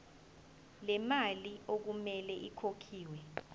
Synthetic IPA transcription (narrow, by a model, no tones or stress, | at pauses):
lɛmaliok̬umɛlɛʔikʰokʰiːwɛ